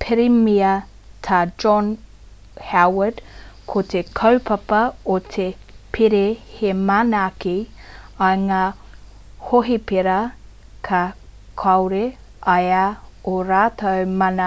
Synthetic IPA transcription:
pʰeɾimiɐ | t̪ʰaːd͡ʒɔn | hawədkʰot̪ʰekʰɐwpʰɐpɐot̪ʰe | pʰiɾehemanaːki | ɐŋaː | hoɦipeɾɐ | kʰɐ | kʰɐwɾe | ɐjɐoɾaːt̪ɐwmɐnɐ

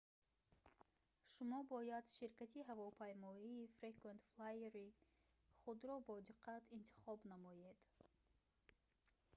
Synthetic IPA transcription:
ʃumɔbɔjad̪ʃiɾkat̪ʰiɦavɔpʰajmɔiːfɾekvent̪flajeɾi | χud̪ɾɔbɔd̪iqʰat̪ʰint̪ʰi̥χɔbnamɔjed̪̥

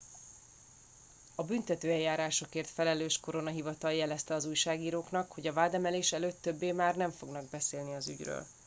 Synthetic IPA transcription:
ɒbynt̪ɛt̪øːɛljːaːɾaːʃo̞keːrt̪fɛlɛløːʃko̞ɾo̞nɒɦivɒt̪ɒljɛlɛst̪ɛɒzuːjʃaːɡiːɾoːknɒkho̞ɟɒvaːd̪ɛmɛleːʃɛløːt̪ːøbːeːmaːrnɛɱfo̞ɡnɒɡ̚bɛseːlniɒzy̰ɟrø̰ːl

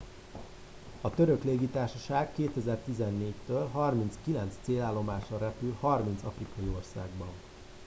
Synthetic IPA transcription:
ɒt̪øɾø̞kleːɡit̪aːrʃɒʃaːɡkːeːt̪ɛzɛrt̪izɛnːeːct̪øːlɦɒrmint̪skilɛnt̪st̪seːlaːlːo̞maːʃrɒɾɛpylhɒrmint̪sɒfrikɒjio̞rsa̰ːɡbɒn

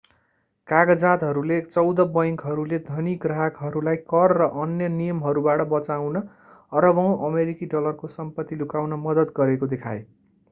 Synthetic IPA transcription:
kaɡʌd͡zat̪ɦʌɾulet͡sʌwd̪ʌbʌjŋkɦʌɾuled̪ʱʌniɡraɦakɦʌɾulajkʌrːʌʔʌnjʌnijʌmɦʌɾubaʈʌbʌt͡sawnʌ | ʌɾʌbʌw̃ʔʌmeɾikiɖʌlʌrkosʌmpʌt̪ːilukawnʌmʌd̪ʌd̪ɡʌɾekod̪ekʰae

